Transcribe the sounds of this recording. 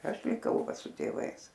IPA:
ˈɐʃ lʲɪˈkɐʊ ˈʋɐ sʊ tʲeːˈʋɐɪs

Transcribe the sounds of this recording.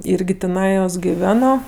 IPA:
ˈɪrʲɡʲɪ tʲɪˈnɑːjoːs ɡʲɪˈʋʲæːnoː

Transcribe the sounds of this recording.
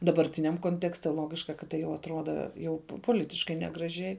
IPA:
dɐbɐrʲˈtʲɪnʲɛm koːnʲˈtʲæːksʲtʲɛ ˈlˠoːɡʲɪʃkɐ kɐt ˈtɐɪ jɛʊ ɐtˈruɔdɐ ˈjɛʊ poːˈlʲɪtʲɪʃkɐɪ nʲɛɡrɐˈʒʲɛɪ

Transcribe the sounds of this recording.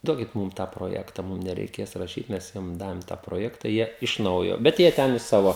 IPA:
ˈduɔkʲɪt ˈmuːm tɑː proːˈjæːktɐ ˈmʊm nʲɛrʲɛɪˈkʲeːs rɐˈʃʲiːt ˈmʲɛs ˈjiɛm ˈdɑːʋʲɪm tɑː proːˈjæːktɐ ˈjiɛ ɪʃ ˈnɐʊjoː bʲɛt ˈjiɛ ˈtʲɛn ɪ ˈsɑːʋoː

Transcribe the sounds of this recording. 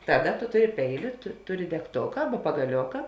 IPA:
ˈtɑːˌdɐ tʊ ˈtʊˌrʲɪ ˈpʲɛɪˌlʲʊ tʊ ˈtʊˌrʲɪ dʲɛkˈtoːkɐ ˈɑːbɐ pɐɡɐˈlʲoːkɐ

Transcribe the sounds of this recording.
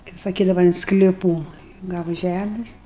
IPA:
kɐɪp sɐˈkʲiːdɐʋɐ ɪn sklʲɪˈpuː ˈɡɑːʋɐ ˈʒʲæmʲɪs

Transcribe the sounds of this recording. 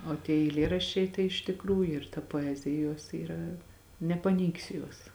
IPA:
oː tʲiɛ ɛɪˈlʲeːrɐʃʲt͡ʃʲɛɪ tɐɪ ɪʃ tʲɪkˈruːjʊ ɪr tɐ poːˈæːzʲɪjɛ ˈjoːs iːˈrɐ nʲɛpɐˈnʲɛɪksʲɪ ˈjuɔs

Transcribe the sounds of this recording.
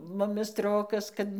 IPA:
ˈmʊmʲɪ ˈstroːkɐs kɐt

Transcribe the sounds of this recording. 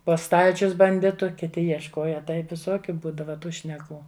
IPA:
poː ˈstɐlʲt͡ʃʲʊs bɐnʲˈdʲɪtʊ kʲɪˈtʲɪ jiɛʃˈkoːjɛ ˈtɐɪp ʋʲɪˈsoːkʲʊ ˈbuːdɐʋɐ ˈtuː ʃʲnʲɛˈkuː

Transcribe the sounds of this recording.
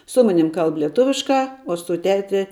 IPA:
ˈsʊ ˈmɑːnʲɪm ˈkɐlˠp lʲiɛˈtʊʋʲɪʃkɑː oː sʊ ˈtʲæːtʲɪ

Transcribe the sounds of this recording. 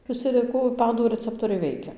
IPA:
ʋʲɪˈsʲɪ lʲɪˈkʊ ˈpɑːduː rəˈt͡sʲæːptoːrʲɛɪ ˈʋʲɛɪkʲɛ

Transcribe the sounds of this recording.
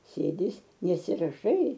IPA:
ˈsʲeːdʲɪ ˈɪs nʲɛsʲɪrɐˈʃɐɪ

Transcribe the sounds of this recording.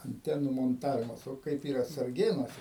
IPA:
ɐnʲˈtʲæːnuː moːnˈtɑːʋʲɪmɐs ˈoː ˈkɐɪp ˈiːrɐ sɐrʲˈɡʲeːnuɔsʲɛ

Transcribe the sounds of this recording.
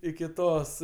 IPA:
ɪkʲɪ ˈtoːs

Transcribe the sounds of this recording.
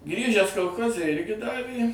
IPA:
ˈɡrʲiːʒʲæːs koːlˠˈxoːzʲɛ ˈɪrʲɡʲɪ ˈdɑːʋʲeː

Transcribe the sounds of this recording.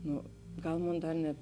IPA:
ˈnʊ ˈɡɐlˠ ˈmoːn ˈdɐr nʲɛt

